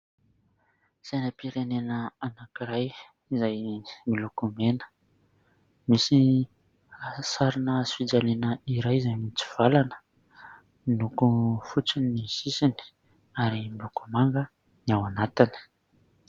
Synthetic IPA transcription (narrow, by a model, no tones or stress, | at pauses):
z̥ajnapiɾenenəanakiɾaj | izajmilukumenə̥ | misi | saɾinəsfid͡ʒalenəiɾajizajmit͡si̥v̥alanə̥ | nukufut͡sinisisini̥ | aɾimukumaŋɡə | niawanat̪ini̥